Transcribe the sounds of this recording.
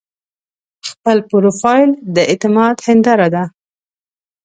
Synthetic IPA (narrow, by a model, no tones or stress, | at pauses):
xpəlpuɾofɑjld̪əet̪ɪmɑd̪hɪnd̪ɑɾad̪a